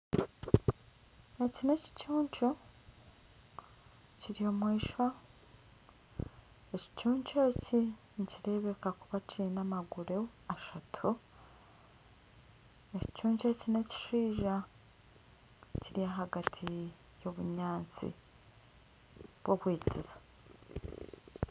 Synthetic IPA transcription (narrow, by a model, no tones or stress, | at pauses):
ecine̞ci̥cuːɲco | ciɾio̞mwiːʃwa | eci̥cuːɲt͡ʃoci | ɲciɾe̞βe̞kakuβacʰiinamaɡuɾe | aʃatʰu | eci̥cuːɲt͡ʃocine̞ci̥ʃiːʒa | ciɾijaɦaɡatʰi | jo̞βuɲaːnt͡sḭ | β̥wo̞βwiːtʰizo